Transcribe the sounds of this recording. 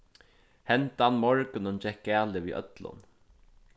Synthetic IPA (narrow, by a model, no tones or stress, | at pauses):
hɛnt̪anmɔɹkɪnʊnt͡ʃɛk̚ɡæːlɪʋḭːʔœ̰t̪lʊ̰n